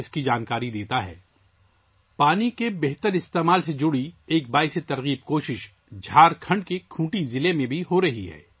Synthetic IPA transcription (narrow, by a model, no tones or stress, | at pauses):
ɪskid͡ʒaːnkaːɾid̪eːt̪aɦɛ̰ː | paːnikebɛɦt̪əɾɪst̪eːmaːlsed͡ʒʊɽieːk̚baːiset̪ɐɾɣiːb̚koːʃɪʃ | d͡ʒʱaːɾkʰɐ̃ɳɖkekʰũːʈizɪlemẽbʱiɦoɾɐɦiɦɛ̰ː